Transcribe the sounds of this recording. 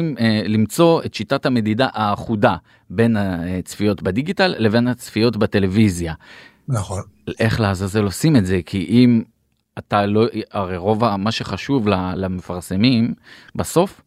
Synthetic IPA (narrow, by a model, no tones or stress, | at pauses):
imlimt͡so̞e̞tʃitathame̞didaʔaːχuda | be̞nat͡sfijo̞tbediɡitalːe̞ve̞nat͡sfijo̞tbete̞le̞vizja | naχʔeχleazazelo̞sime̞tze̞kʰiʔim | ataloaʁejʁo̞vamaʃe̞χaʃuvlalame̞faʁse̞mimbaso̞f